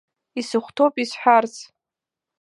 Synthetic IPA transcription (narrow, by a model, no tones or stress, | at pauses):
isɨχʷtʰowpʼisħʷᶣart͡sʰʼ